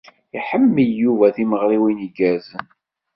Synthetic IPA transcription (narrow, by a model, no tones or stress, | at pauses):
iħəmːəjːuvæθiməʁɾiwiniɡæzn